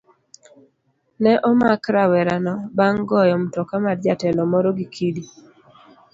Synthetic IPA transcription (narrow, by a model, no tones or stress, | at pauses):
nɛʔɔmakɾawɛɾanɔbaŋɡɔjɔmtɔkamaɾd͡ʒatɛlɔmɔɾɔɡikʰidi